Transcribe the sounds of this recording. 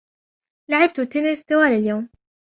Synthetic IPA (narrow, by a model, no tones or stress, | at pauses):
laʕɪb̚t̪ʊt̪ːɪnɪst̪awaːlɪljoːm